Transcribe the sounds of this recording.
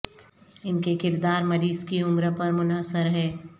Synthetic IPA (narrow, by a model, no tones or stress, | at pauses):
ɪnkekɪɾd̪aːɾmɐɾiːzkiʊmɾəpɐɾmʊnɦəsəɾɦɛː